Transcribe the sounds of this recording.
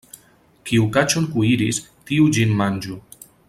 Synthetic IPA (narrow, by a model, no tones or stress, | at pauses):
kiukat͡ʃonkuiɾistiud͡ʒinmand͡ʒu